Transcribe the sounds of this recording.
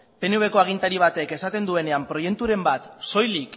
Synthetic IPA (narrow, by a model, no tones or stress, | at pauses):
pe̞neuβe̞koaɣ̞int̪aɾiβ̞at̪eke̞sat̪e̞nd̪ue̞ne̞ampɾo̞je̞kt̪uɾe̞mbat̪so̞jlik